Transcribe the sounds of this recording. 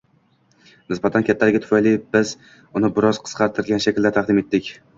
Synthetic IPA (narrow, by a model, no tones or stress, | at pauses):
nɪsbat̪ʰankʲʰat̪ʰːaɾɪɡʲat̪ʰʊfajlibɪz | ʊnɪbɪɾɒz̥qʰɨ̥sqʰɑɾt̪ʰɪɾɡʲanʃakʲld̪aɾt̪ʰaqd̪ɪme̞t̪ʰːɪkʲ